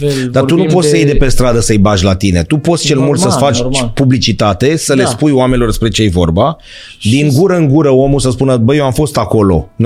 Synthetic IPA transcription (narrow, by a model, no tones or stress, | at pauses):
d̪at̪unupot̪sʲsəjejd̪e̞pe̞st̪ɾad̪əsəɨjbaʒʲlat̪ine̞t̪upo̞t̪sʲt͡ʃe̞lmult̪səsfat͡ʃʲpublit͡ʃit̪at̪e̞səle̞spujoame̞nilo̞rspɾet͡ʃejejvo̞̰rba | d̪iŋɡuɾəɨŋɡuɾəo̞musəspunəbəjewamfo̞st̪ako̞lo̞̰n